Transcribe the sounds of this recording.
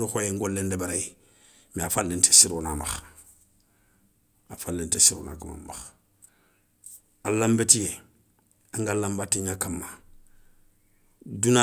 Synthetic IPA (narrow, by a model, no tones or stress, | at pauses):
ɾuxojeŋɡolːendebaɾai | miafalːente̥siɾonamax | afalːentesiɾo̰ːna̰kama̰mma̰x | alambetije | aŋɡalambatiɲakamːa | duna